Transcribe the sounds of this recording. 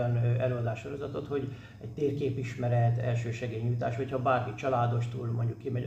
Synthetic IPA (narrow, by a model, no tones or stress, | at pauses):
ɒnɛløːɒd̪aːʃʃoɾo̞zɒt̪ot̪ho̞ɟ | ɛct̪eːrkeːpiʃmɛɾɛt̪ɛ̰lʃøːʃɛɡeːjɲujt̪a̰ːʃʋɒchɒbaːrkit͡ʃɒlaːd̪o̞ʃt̪uːlmoɲɟukːimɛ